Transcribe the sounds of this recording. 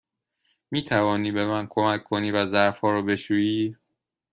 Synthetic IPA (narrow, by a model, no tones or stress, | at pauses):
miːt̪ʰævɒːniːbe̞mænkʰomækʰːoniːvæzæɾfhɒːɾɔːbe̞ʃuːjiː